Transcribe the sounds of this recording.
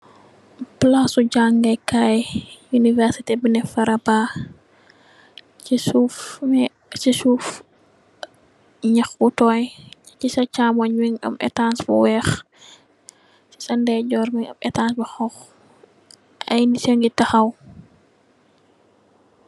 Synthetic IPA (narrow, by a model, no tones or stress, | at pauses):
plasuɟaŋɡɐjkajjunivɛɾsitebənɛfɐɾɐba | t͡ʃisuf | sisuf | ɲɐxbutɔːj | t͡ʃisɐt͡ʃaːmɔɲwiŋɐ̰mɛ̰tansbuwɛːx | si̥sɐndɛɟɔɾmiŋɐ̰mɛ̰tansbɐxɔx | ʔɐjnisɛŋɡitɐxɐw